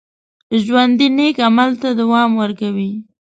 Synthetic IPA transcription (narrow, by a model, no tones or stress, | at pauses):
ʒwand̪inekamalt̪ad̪awɑmwəɾkawi